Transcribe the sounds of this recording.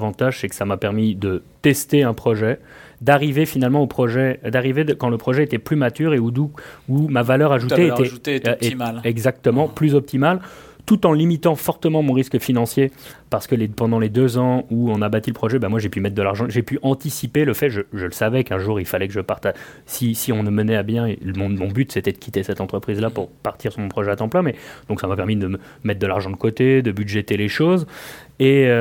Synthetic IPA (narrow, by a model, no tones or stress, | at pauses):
vɑ̃t̪aʒsɛkə̥samapɛʁmid̪ət̪ɛst̪eɛ̃pχɔʒɛd̪aʁivefinalmɑ̃opχɔʒɛd̪aʁived̪əkɑ̃ləpχɔʒɛet̪ɛplymat̪yʁeud̪uumavalœʁaʒut̪eet̪ɛ | mlɛɡzak̚t̪əmɑ̃plyzɔp̚t̪imal | t̪ut̪ɑ̃limit̪ɑ̃fɔʁt̪əmɑ̃mɔ̃ʁiskəfinɑ̃sjepaʁsə̥kəlepɑ̃d̪ɑ̃led̪øzɑ̃uɔ̃nabat̪iləpχɔʒɛbãmwaʒepymɛt̪χd̪əlaʁʒɑ̃ʒepyʔɑ̃t̪isipeləfɛʒəʒələsavɛkɛ̃ʒuʁilfalɛkəʒəpaʁt̪a | sisiɔ̃nəmənɛabjɛ̃emɔ̃mɔ̃byt̪sɛt̪ɛd̪əkʲʰit̪esɛt̪ɑ̃t̪χəpχizlapuʁpaʁt̪iʁsyʁmɔ̃pχɔʒɛat̪ɑ̃plɛ̃mɛd̪ɔ̃ksamapɛʁmid̪ə | mɛt̪̚d̪əlaʁʒɑ̃d̪əkot̪ed̪əbyd̪ʒɛt̪eleʃoz | eø